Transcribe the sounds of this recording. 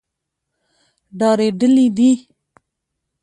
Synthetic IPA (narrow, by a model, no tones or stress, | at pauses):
ɖɑɾeɖəlid̪i